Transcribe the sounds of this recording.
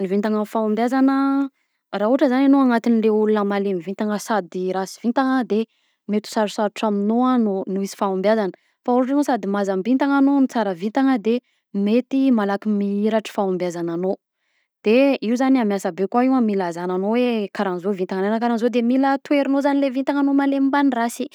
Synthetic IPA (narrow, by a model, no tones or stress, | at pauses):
nivint̪aŋəfaumbjazanə | raɦuaʈ͡ʂəzananoaŋat̪inleulunəmalemivit̪aŋəsad̪iɾasi̥vint̪aŋəd̪e | met̪u̥saɾusaɾʈ͡ʂaminoanunuisi̥faumbjazanə | fauɾuʈ͡ʂanosad̪imazambint̪aŋanonit͡saɾəvint̪aŋəd̪e | met̪imalakimiiɾaʈ͡ʂə̥faambjazanano | d̪̥eiuzaniamjasabekwaiwamilazananowekaɾanzovint̪aŋananəkaɾanzod̪emilət̪ueɾinozanilevint̪aŋanomalemimbanirasi